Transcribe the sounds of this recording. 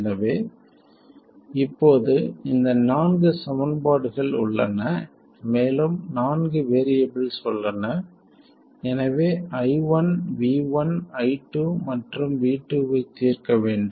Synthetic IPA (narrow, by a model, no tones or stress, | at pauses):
nɐʋeː | ɪpːoːðɯɪnd̪ɐnaːnɡɯsɐmɐnbaːɽɯɣɐɭʊ̰ɭːɐ̰nɐ | meːlɯmnaːnɡɯʋeːɾɪjɐbɪlsɔlːɐnɐ | ɛnɐʋeːɐɪʋɐnʋiːʋɐnɐɪʈːumɐʈrɯmʋiːʈːuʋɐɪt̪ːiːrkɐʋeːɳɖɯ